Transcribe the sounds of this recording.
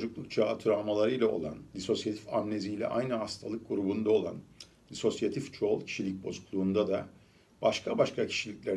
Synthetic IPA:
od͡ʒuklˠuk̚t͡ʃʰaːt̪ʰuɾamalˠaɾɯjlʲˠao̞̰lˠand̪iso̞sjat̪ʰifamne̞zijlʲɛ̰ʔa̰jnɯɦast̪ʰalˠɯk̚ɡuɾubund̪ao̞lˠa̰n | d̪iso̞sjat̪ʰift͡ʃʰo̞lˠcʰi̥ʃilʲic̚bo̞̰zuklˠuːnd̪ad̪a | b̥aʃkʰabaʃkʰacʰi̥ʃilʲiclʲeɾ

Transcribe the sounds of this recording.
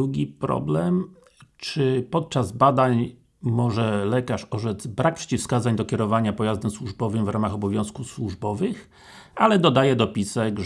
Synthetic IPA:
uɡʲipɾɔ̰blɛm | t͡ʂɘpɔt̪̚t͡ʂazbad̪aɲ | mɔʐɛlɛkaʂɔʐɛd̪zbɾak̚pʂɛ̥t͡ɕifskazaɲd̪ɔkʲɛɾɔvaɲapɔjazd̪ɛmswuʐbɔvɘmvɾamaxɔbɔvʲjɔ̃w̃skuswuʐbɔvɘx | alɛd̪ɔd̪ajɛd̪ɔpʲisɛɡ

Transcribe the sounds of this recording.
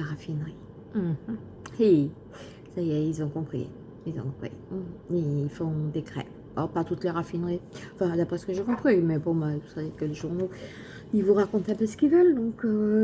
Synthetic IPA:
aʁafinʁi | m̩ | i | sajɛilzɔ̃kɔ̃pχḭ | ilzɔ̃kɔ̃pχḭm̩iilfɔ̃d̪ekχɛ̰ | ɔpat̪ut̪leʁafinʁiɑ̃fɛ̃d̪apχɛsə̥kəʒekɔ̃pχimɛbɔ̃mavusavekəleʒuʁno | ilvuʁakɔ̃t̪ɛ̃pøsə̥kʲilvœld̪ɔ̃kø

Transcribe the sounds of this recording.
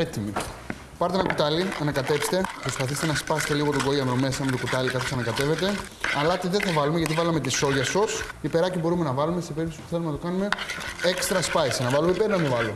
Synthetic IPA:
et̪imi | pɐɾt̪enɐkut̪ɐliɐnɐkɐt̪e̞pst̪e̞pɾo̞spɐθist̪enɐspɐse̥t̪e̞liɣo̞t̪oɡoiɐmɾome̞sɐmet̪okut̪ɐlikɐt̪osɐnɐkɐt̪e̞ve̞t̪e̞ | ɐlɐt̪iðeθɐvɐlumeʝɐt̪ivɐlɐmet̪iso̞ʝɐsos | ipe̞ɾɐcibo̞ɾume̞nɐvɐlume̞sepe̞ɾipt̪osipuθelumenɐt̪o̞kɐnume̞ekst̪ɾɐspɐisinɐvɐlumeipe̞ɾnɐmivɐlo

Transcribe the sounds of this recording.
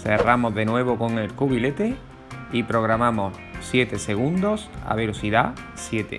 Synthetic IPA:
se̞ramo̞zðe̞nwe̞βoko̞ŋe̞lkuβile̞t̪e | ipɾo̞ɣ̞ɾamamo̞s | sje̞t̪e̞se̞ɣ̞ũnd̪o̞sa̰β̞e̞lo̞siðasje̞t̪ḛ

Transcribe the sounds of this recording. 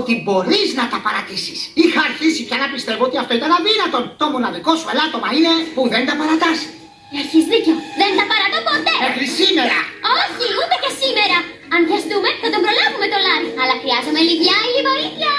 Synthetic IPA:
ot̪ibo̞ɾiznɐt̪ɐpɐɾɐt̪isi̥sixɐɾçisipcɐnɐpist̪e̞voot̪iɐft̪o̞it̪ɐnɐðinɐt̪o̞nt̪o̞mo̞nɐðiko̞suelɐt̪o̞mɐine̞puðend̪ɐpɐɾɐt̪ɐsi̥ | ɐɾçizðiceoðe̞nθɐpɐɾɐt̪opot̪e̞mexɾisime̞ɾɐ̰oçiud̪ecesime̞ɾɐ | ɐnðjɐst̪ume̞θɐt̪o̞mbɾo̞lɐvume̞t̪o̞lɐɾiɐlɐxɾiɐzome̞livʎɐlivo̞ɾiθjɐ

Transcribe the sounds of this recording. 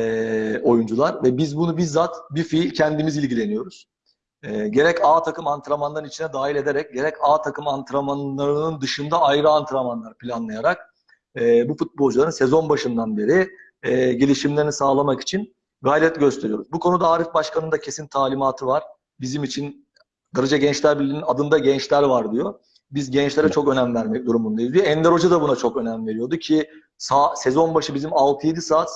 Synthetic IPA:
ɛo̞jund͡ʒulˠaɾvɛbizbunubizat̪bifilʲcʰɛnd̪imizilʲɟilʲe̞nijo̞ɾuz̥ | ɛɟe̞ɾɛcaːt̪ʰakɯmant̪ʰɯɾamanˠaɾɯnit͡ʃʰinɛd̪aːɦilʲe̞d̪e̞ɾɛc̚ɟe̞ɾɛcaːt̪ʰakɯmant̪ʰɯɾamanlˠaɾɯnɯnd̪ɯʃɯnd̪aajɾɯant̪ʰɯɾamanlˠaɾpʰilʲanlˠajaɾak̚ | ɛbufut̪̚bo̞lˠd͡ʒulˠaɾɯnse̞zo̞nbaʃɯnd̪anbe̞ɾiː | ɟe̞lʲiʃimlʲe̞ɾinisaːlˠamaki̥t͡ʃʰin | ɡaːlʲɛt̪ɟø̞st̪ʰe̞ɾijo̞ɾuzbukʰo̞nud̪aaːɾifbaʃkʰanɯnd̪acʰe̞sint̪ʰaːlʲimaːt̪ʰɯvaɾ̥ | bizimit͡ʃʰin | d̪aɾɯd͡ʒaɟɛnt͡ʃlʲæɾbillʲːininad̪ɯnd̪aɟɛnt͡ʃlʲæɾvaɾd̪ijo̞ | bizɟɛnt͡ʃlʲeɾɛt͡ʃʰo̞kø̞næmvæɾmɛc̚d̪uɾumbund̪ajizd̪ijoɛnd̪eɾo̞d͡ʒad̪abunat͡ʃʰo̞kø̞næmve̞ɾijo̞d̪ucʰi | sasɛzo̞nbaʃɯbizimalp̪ʰijed̪ʲisaːt̪

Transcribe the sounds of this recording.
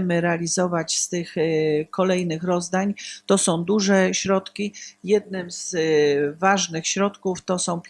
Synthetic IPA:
mɘɾɛalʲizɔvat͡ɕst̪ɘxkɔlɛjnɘxɾɔzd̪aɲt̪ɔsɔ̃w̃d̪uʐɛɕɾɔt̪kʲijɛd̪̚nɘmz̥ | vaʐnɘxɕɾɔt̪kuft̪ɔsɔ̃w̃pʲ

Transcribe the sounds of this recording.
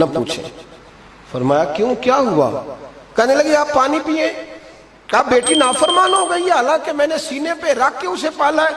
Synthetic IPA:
nɐpṵːt͡ʃʰḛ̃ | fɐɾmaːjakjũːkjaːɦua̰ː | kɛɦnelɐɡeaːpːaːnipiːẽ | kaːp̚beːʈinaːfəɾmaːnɦoɡɐieɦaːlãːkemɛ̃ːnesiːnepeɾaːkːeʊsepaːlaɛː

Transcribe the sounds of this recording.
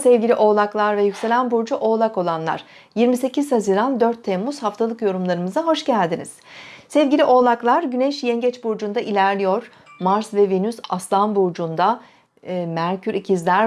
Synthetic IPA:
sɛvɟilʲiʔo̞lˠaklˠaɾvɛjycse̞lʲænbuɾd͡ʒuʔo̞ːlˠako̞lˠanlˠa̰ɾ̥ | jiɾmise̞cʰizhaziɾand̪øɾt̪ʰːɛmːuz̥haft̪ʰalˠɯkjo̞ɾumlˠaɾɯmɯzaɦo̞ʃɟælʲd̪inḭz̥sɛvɟilʲiʔo̞lˠaklˠaɾɟynɛʃjɛnɟɛt͡ʃbuɾd͡ʒund̪aʔilʲæɾlʲijo̞ɾ̥ | maɾsvɛvenysaslˠanbuɾd͡ʒund̪a | mæɾcʰyɾicʰizlʲæɾ

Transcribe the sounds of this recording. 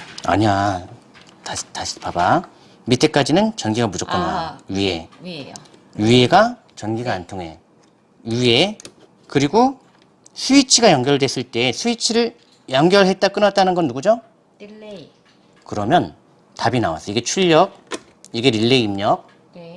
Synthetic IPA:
a̰ɲia | tataɕʰipaba | mitʰe̞k͈ad͡ʑinɯnt͡ɕʌnɡiɡamud͡ʑʌkk͈ɯnːa̰jue | jue̞ɡa | t͡ɕʌnɡiɡaːntʰoŋɦe̞ | jue̞ | kɯɾiɡo | sʰuit͡ɕʰiɡajʌŋɡjʌɭdwe̞s͈ɯɭt͈e̞sʰuit͡ɕʰiɾɯɭ | jʌŋɡjʌɭɦe̞t̚t͈ak͈ɯnat̚t͈anɯnɡʌnːuɡud͡ʑo | kɯɾʌmjʌn | tabinawa̰s͈ʰʌiɡe̞t͡ɕʰuʎːʌk̚ | iɡe̞ɾiɭːe̞imɲʌk̚

